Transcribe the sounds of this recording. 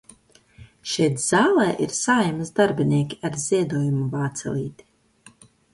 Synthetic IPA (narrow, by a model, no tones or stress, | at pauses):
ʃɛjt̪z̥aːlˠɛːʔiɾsaːjamɨzd̪aɾbiniɛkʲiaɾz̥ʲiɛd̪uːjumuvaːt̪sɛ̰lʲˠiːt̪i̥